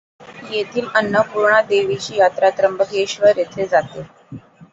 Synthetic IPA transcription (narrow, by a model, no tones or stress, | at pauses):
jet̪ʰiːmənːəpuɾɳad̪eʋit͡ɕiːjat̪ɾat̪ɾəmbʱəɡ̪eɕʋəɾjet̪ʰed͡zat̪e